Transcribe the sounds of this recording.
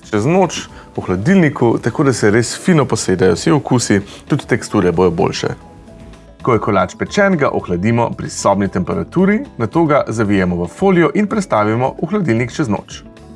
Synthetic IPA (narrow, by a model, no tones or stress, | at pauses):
t͡ʃɛznot͡ʃ | uxlad̪ilnikʰut̪akoːd̪asɛɾeːsfiːnɔpɔseːd̪ajɔwsiɔkusit̪ut̪t̪ɛkst̪uːɾɛbod̪jɔbo̰lʃɛ̰ | kɔjɛkɔlaːt͡ʃpɛt͡ʃɛːnɡa̰ʔɔxlad̪imɔ̰pɾḭsɔːbnit̪ɛmpɛɾat̪uːɾinat̪oːɡazaʋijɛmɔʋəfoːlijɔʔinpɾɛt̪st̪aːʋimɔɔxlad̪ilnikt͡ʃɛzno̰ːt͡ʃ